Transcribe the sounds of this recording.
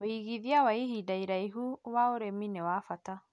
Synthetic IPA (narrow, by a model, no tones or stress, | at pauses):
oiɣiðiawaihidaiɾaiɦuwaoɾeminewaːfata